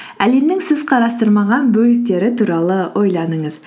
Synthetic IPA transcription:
æle̞mnɪŋsɪzqʰɑɾɑst̪əɾmɑʁɑnbɵlɪk̚t̪e̞ɾɪt̪ʰuɾɑlˠəwʔo̞jlˠɑnəɴəz

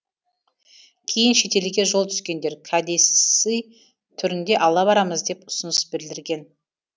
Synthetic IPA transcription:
kʲʰe̞jɪnʃe̞t̪e̞lɪɡʲe̞ʒolˠt̪ʰʏskʲe̞nd̪e̞ɾkʰad̪e̞sij | t̪ʰʏɾɪnd̪e̞ʔɑlˠɑβɑɾɑməzd̪e̞pʊ̥sənəsbɪld̪ɪɾɡʲe̞n

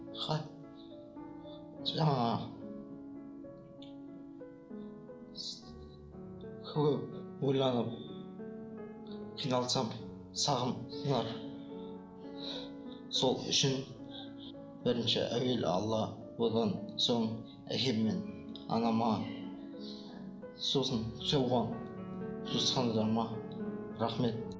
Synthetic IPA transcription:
χɑ | ʒɑŋɑ | kʰwɪpbojlˠɑnəp̚ | kʲʰinɑlˠsɑm | sɑʁəmsənɑɾ | solˠʏ̰ʃɪn | b̥ɪɾɪnʃɪ̰ʔæwel̰ɑ̰lˠːɑ | wod̪ɑnsoɴ | æ̰kʰʲepmen | ɑ̰nɑmɑ | sosənʒɑwʁɑn | ʒosχɑnɑd̪ɑɾmɑ | ɾɑχmet̪̚

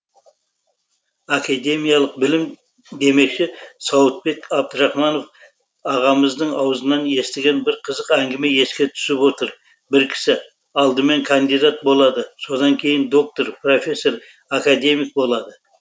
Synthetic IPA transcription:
akad̪e̞mijɑlˠəq̚bɪlɪm | d̪e̞me̞kʃɪsɑwət̪̚be̞kɑb̚d̪əɾɑχmɑno̞f | ɑʁɑməzd̪əɴɑwəzənɑne̞st̪ɪɡʲe̞nbɪɾqʰəzəqæŋɡʲɪme̞je̞skʲe̞t̪ʰʏ̥sɪpwo̞t̪əɾ | bɪɾkʲʰɪ̥sɪ | ɑlˠd̪əme̞ŋkʰand̪ijd̪at̪̚bo̞lˠɑd̪əso̞d̪ɑŋkʲʰe̞jɪnd̪o̞k̚t̪o̞ɾpro̞fʲe̞sːo̞ɾ | akad̪e̞mik̚bo̞lˠɑd̪ə

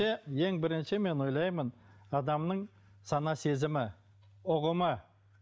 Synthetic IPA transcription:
eje̞ŋbɪɾɪnʃɪme̞nwo̞jlˠɑjmənɑd̪ɑmnəɴ | sɑnɑse̞zɪmɪ | ʊʁəmə

